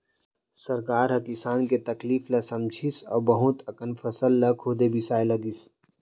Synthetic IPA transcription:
səɾkaːɾɦɐkɪsaːnket̪ɐkliːflɐsɐmt͡ʃʰisɔ̰ːbɐɦʊt̪ɐkənfʰəsəlːɐkʰoːd̪ebʱisaːelɐɡis

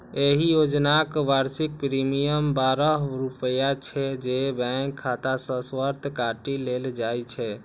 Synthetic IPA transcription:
eɦijod͡ʒnakbaɾsik̚pɾimijəmbaɾəɦɾupəjat͡ʃʰɛd͡ʒebɛŋkʰːat̪asə̃swəɾt̪ʰkaʈileld͡ʒajt͡ʃʰɛ

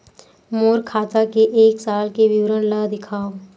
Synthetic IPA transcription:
moːɾkʰaːt̪akeʔeːksaːlkeʋɪwɾənlad̪ɪkʰaː

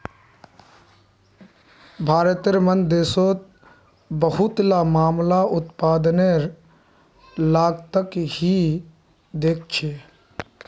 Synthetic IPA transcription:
bʱaːɾət̪əɾmənd̪eːsoːt̪̚ | bəhʊt̪lamaːmlaʔʊt̪paːd̪neɾ | laːɡt̪əkhi | d̪eːk̚ʰt͡ʃʰeː

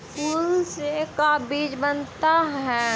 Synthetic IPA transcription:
puːlsekabiːd͡ʒbənt̪aɦɛː

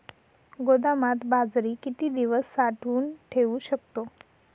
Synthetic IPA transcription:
ɡod̪amat̪bad͡zɾiːkit̪iːd̪iʋəsːaʈʰuːnʈʰeʋuɕəkt̪o

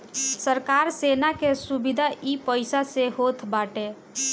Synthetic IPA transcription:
səɾkaɾsenakesubid̪ʱaʔipəɪsaseɦot̪ʰbaʈe

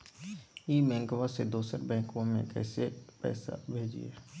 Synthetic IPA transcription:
jiːmɛ̃ːŋkʋãsed̪oːsəɾbɛ̃ːŋkãmẽkɛ̰ːsepɛ̰ːsa̰bʱeːd͡ʒḭɛ̰ː

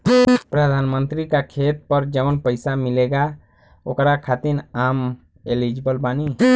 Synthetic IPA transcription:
pɾəd̪ʱanmənt̪ɾikakʰet̪̚pəɾd͡ʒəʋənpəɪsamileɡa | o̰kɾakʰat̪iɾam | elid͡ʒbəlbani

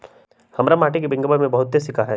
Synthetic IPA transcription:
hɐmɾamaːʈikebɪ̃ŋɡəbamẽbɐɦʊt̪sesɪkʰaɦɛː

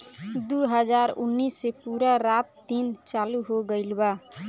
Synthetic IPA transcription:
d̪uɦəd͡ʒaːɾʊnːiːsːepuːɾaɾaːp̚t̪int͡ʃaːluɦoɡəɪlba

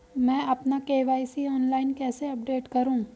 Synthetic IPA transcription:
mɛ̃ːɐpnakeːʋaːisiɔːnlaːɪnkɛːseɐp̚ɖeːʈkɐɾũː

